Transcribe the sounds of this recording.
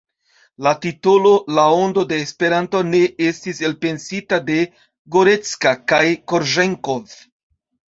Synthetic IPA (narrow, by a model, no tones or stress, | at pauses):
latitolo̞lao̞ndo̞deːspe̞ɾanto̞ne̞estise̞lpe̞nsitade̞ | ɡoɾe̞t͡skakajko̞ɾʒe̞ŋko̞v